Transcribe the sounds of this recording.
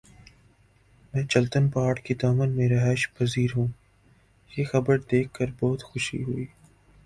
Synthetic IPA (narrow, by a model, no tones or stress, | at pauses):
mɛ̃ːt͡ʃɐlt̪ənpaːɾʈkid̪aːmənmẽɾɐɦɛːʃpɐziːɾɦũː | jexɐbəɾd̪eːkʰːəɾbɔːt̪xʊʃḭɦʊiː